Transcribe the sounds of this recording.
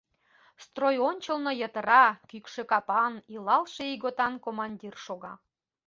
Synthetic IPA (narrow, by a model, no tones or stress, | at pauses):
st̪rojonʲt͡ɕəlnŏjə̆t̪ə̆ɾɑkykʃĕkɑpɑnilɑlʃeiɣot̪ɑnkomɑnʲdʲirʃoɣɑ̰